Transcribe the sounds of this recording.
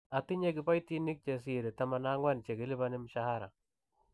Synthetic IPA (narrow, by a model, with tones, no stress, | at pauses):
a˨tɪ˦ɲe˦kɪ˨pa˦jti˦ni˦k̚t͡ʃe˨s̬i˨ɾe˨ta˨ma˨na˦ŋwa˦nt͡ʃe˨kɪ˨lɪ˦ba˦nɪ˦mʃa˦ha˦ɾa̰˨